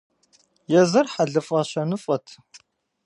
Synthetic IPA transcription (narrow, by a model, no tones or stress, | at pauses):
jɛzɐrħaɮɨfʼɐɕɐnɨfʼɐtʰ